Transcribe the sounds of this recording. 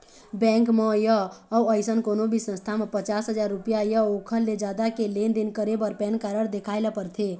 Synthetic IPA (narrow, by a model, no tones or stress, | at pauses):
bɛ̃ŋkməjəːuəɪsənkonobʱisə̃nst̪ʰamepət͡ʃasɦəd͡ʒaɾːupjajəokʰəlːed͡ʒad̪akelend̪enkəɾebəɾpɛnkaɾəɽd̪ekʰaɪləpəɾt̪ʰe